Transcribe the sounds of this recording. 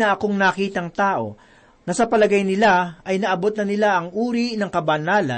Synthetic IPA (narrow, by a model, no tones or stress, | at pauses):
ɐʔɐko̞ŋnɐkiːt̪ɐŋt̪aːʔo̞̰ | nɐsɐpɐlɐɡajnɪlaʔɐjnɐʔɐbo̞t̪̚nɐnɪlaʔɐŋʔuːɾinɐŋkɐbɐnaːlɐ̰